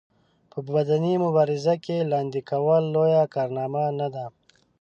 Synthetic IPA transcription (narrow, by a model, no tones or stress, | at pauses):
pəbad̪animʊbɑːɾɪzakelɑːnd̪ikawəlːojakɑːɾnɑːmanad̪a